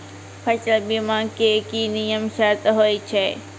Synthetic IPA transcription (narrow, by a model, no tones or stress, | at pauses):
pʰɐt͡ʃəlbimãːkekiːnijəmʃaːt̪ɦoːit͡ʃʰeː